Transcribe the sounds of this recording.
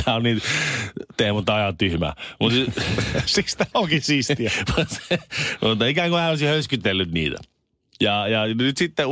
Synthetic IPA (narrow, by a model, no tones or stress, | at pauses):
æːonniːt̪ | t̪ehmut̪ːɑjɑt̪t̪yhmæ̰ːmut̪ | sist̪æoŋkisisiæmusmut̪ːɑikæŋɡ̥ohæːolisihøyskyt̪ːelːyt̪nḭːt̪æ̰ | jɑjɑnyt̪sit̪ːe